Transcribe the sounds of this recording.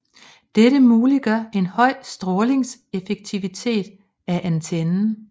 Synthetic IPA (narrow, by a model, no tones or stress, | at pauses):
d̥eɾəmuːliɡ̥ɶɐ̰e̝nhɒ̽ɪ̰sd̥ʁɔːle̝ŋse̝feɡ̥̚t͡sʰiʋit͡sʰe̝̰ːd̥ | æʔænt͡sʰenn̩